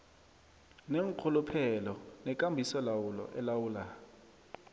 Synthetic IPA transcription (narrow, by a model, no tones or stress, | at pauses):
neŋkʰʊlupʰɛlɔnɛkʼambʱisɔlawulɔ̰ʔɛlawuːla